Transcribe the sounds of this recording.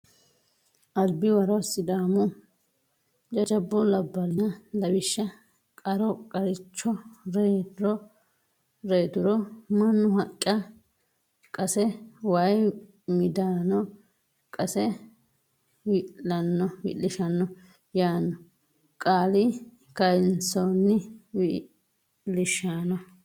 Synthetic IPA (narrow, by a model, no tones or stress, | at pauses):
ʔɐlbɪwɐɾɔsɪd̪aːmʊ | d͡ʒɐd͡ʒɐbːʊlɐbːɐlɪnɐlɐbɪʃːɐ | kʼɐɾɔkʼɐɾɪt͡ʃːɔɾeːt̪ʊɾɔ | ɾeːt̪ʊɾɔmɐnːʊhɐkʼːɐ | kʼɐsɛwɐj | mɪd̪aːnɔ | kʼɐsɛ | wɪlɐnːɔwɪ̰lːɪʃɐnːɔ | jaːnːɔ | kʼaːli | kɐjnsonːɪwi | lɪʃaːnɔ